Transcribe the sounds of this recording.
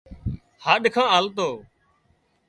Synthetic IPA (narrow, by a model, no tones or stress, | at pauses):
haːɗkʰãːaːlt̪oː